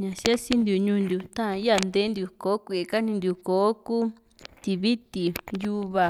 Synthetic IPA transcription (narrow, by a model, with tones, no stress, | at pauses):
ɲã˨ʃi˦a˦si˦nd̪u˨ɲũ˧nd̪u˨t̪ã˦˧i˦a˧˨nd̪e˧˦nd̪ju˧ko˨˦kʷi˧e˧˨ka˦nĩ˧nd̪u˨˧ko˨˦ku˦ | t̪i˧˨βi˦t̪i˨ju˧βa˧˨